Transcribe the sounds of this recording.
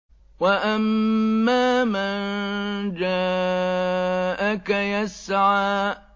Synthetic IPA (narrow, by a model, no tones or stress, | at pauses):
waʔamːaːmand͡ʒaː | ʔakajasʕaːʔ